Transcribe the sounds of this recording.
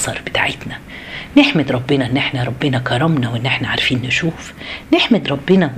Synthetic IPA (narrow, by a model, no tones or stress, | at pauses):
sˤɑɾˤbɪt̪aʕɪt̪næ | nɪħmɪd̪ɾˤɑbːɪnæʔɪnːʔɪħnaɾˤɑbːɪnækɑɾˤɑmnawʔɪnːʔɪħnaʕaɾˤfiːnːɪʃuːf | nɪħmɪd̪ɾˤɑbːɪnɑ